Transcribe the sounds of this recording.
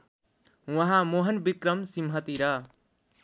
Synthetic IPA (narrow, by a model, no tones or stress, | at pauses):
wʌɦãmoɦʌnbikɾʌmsimɦʌt̪iɾʌ